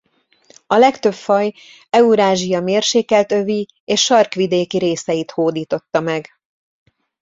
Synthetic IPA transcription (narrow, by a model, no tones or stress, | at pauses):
ɒlɛkt̪ø̞bfɒj | ɛuɾaːʒijɒmeːrʃeːkɛlt̪ø̞vi | eːʃʃɒrkʋid̪eːkiɾeːsɛjit̪hoːd̪iːt̪o̞t̪ːɒmɛɡ